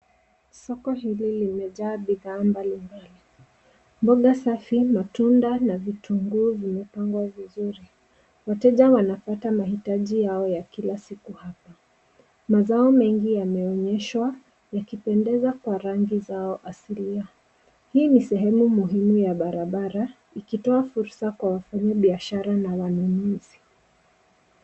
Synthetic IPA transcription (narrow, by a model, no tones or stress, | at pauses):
sɔkɔɦililimɛʄaːɓiðaːmbalimbali | mbɔɠasafimatundanavituŋɡuːvimɛpaŋɡwavizuɾi | watɛʄawanapatamahitaʄijaɔjakilasikuhapa | mazaɔmɛŋɡijamɛɔɲɛʃwa | jakipɛndɛzakwaɾaŋɡizaɔʔasilia | hiːnisɛɦɛmumuɦimujaɓaɾaɓaɾa | ikitɔafuɾsakwawafaɲaɓiaʃaɾanawanunuzi